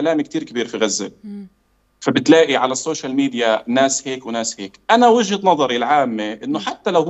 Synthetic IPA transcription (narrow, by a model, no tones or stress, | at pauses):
laːmikt̪iːɾkabiːɾfiɣazːɪ̰l | fabɪt̪laːʔiʕalasːoːʃalmiːd̪ɪjanaːsheːkwnaːsheːkʔanawɪʒhat̪nɑðˤɑɾilʕaːmːeʔɪnːʊħat̪ːalaw